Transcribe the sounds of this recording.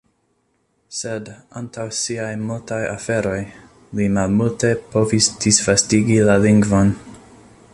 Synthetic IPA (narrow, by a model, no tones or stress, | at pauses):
sedantawsiajmultajafe̞ɾo̞j | limalmulte̞po̞visd̥isfastiɡilaliŋɡvo̞n